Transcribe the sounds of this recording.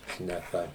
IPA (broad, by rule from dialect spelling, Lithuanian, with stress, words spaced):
ʃʲnʲɛˈkɐ